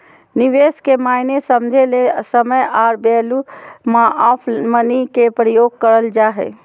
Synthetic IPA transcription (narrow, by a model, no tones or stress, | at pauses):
nɪʋeːskemaːɪnesəmd͡ʒʱelesəməjaːɾbeːlumãʔaːpʰmənikepɾəjoːɡ̚kəɾəld͡ʒaːɦɛ̰ː